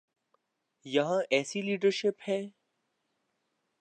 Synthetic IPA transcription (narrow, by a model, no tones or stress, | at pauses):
jɐɦãʔɛːsiliːɖəɾʃɪphɛː